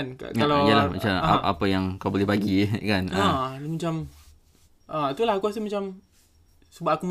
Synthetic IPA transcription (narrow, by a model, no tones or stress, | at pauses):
nkkalaijəlama̰t͡ʃaa̰ʔa̰pəjaŋkawbolɛhbaɡikanʔəmat͡ʃam | ʔəit̪ulahakuas̬əmat͡ʃam | səbat̪akum